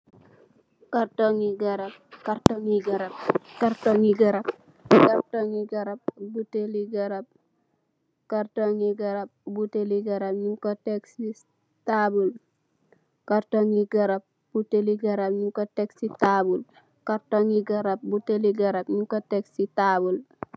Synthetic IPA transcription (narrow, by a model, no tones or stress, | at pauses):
kaɾtoŋiɡaɾap̚kaɾtoŋiɡaɾap̚kaɾtoŋiɡaɾab | kaɾtoŋiɡaɾap̚buteliɡaɾab̚ | kaɾtoŋiɡaɾab̚buteliɡɐɾapɲiŋkoteksi | tabul | kaɾtoŋiɡaɾab̚ | b̥uteliɡaɾapɲiŋkoteksitabul | kaɾtoŋiɡaɾap̚buteliɡaɾabɲiŋkoteksitabul